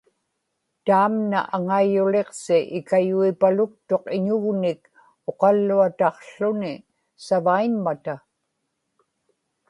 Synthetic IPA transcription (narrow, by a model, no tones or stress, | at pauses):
t̪aːmna̰ʔaŋaijʊle̞qsɪʔɪkajuipalʊk̚t̪o̞qɪɲʊɣnɪk | o̞qɑlːuat̪ɑqɬʊnɪ | savaiɲmat̪a